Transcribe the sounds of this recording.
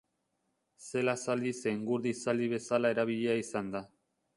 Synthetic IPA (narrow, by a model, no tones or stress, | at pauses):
se̞lasald̪ise̞ŋɡuɾðisald̪iβe̞salae̞ɾaβ̞iʎeaisand̪a